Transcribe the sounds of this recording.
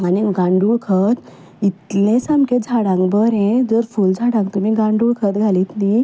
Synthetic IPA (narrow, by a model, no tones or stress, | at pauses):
aniɡãɳɖuɭkʰət̪ | it̪lẽsamked͡zʱaɽãŋkbəɾɛ̃d͡zəɾfuld͡zʱaɽãŋkt̪um̤iːɡãɳɖuɭkʰət̪ɡʱaliːt̪ni